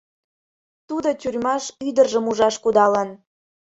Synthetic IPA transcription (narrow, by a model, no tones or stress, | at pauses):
t̪ud̪otʲyrʲmɑʃyd̪ərʒə̆muʒɑʃkud̪ɑlən